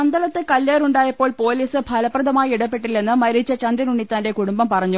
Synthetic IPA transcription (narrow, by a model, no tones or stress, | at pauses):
ɐnd̪ɐlɐt̪ːɨkɐlːeːruɳɖaːjɐpːoːɭpo̞ːliːsɨbʱɐlɐprɐðɐmaːjiiɽɐpːe̞ʈːilːe̞nːɨmɐɾit͡ɕːɐt͡ɕɐnd̪ɾɐnuɳːit̪ːaːnde̞kuɽumbɐmpɐrɐɲːu